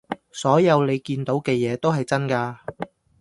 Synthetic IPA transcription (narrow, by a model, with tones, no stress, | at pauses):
sɔː˨˥jɐ˨˧wle˨˧jkiː˧nt̪o˨˥wkɛː˧jɛː˨˧t̪o˥wɦɐ˨jt͡sɐ˥nkaː˧